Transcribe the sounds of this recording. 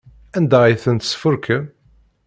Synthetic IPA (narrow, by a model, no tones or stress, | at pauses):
ænd̪æiθənt̪sə̥fʊɾkʰəm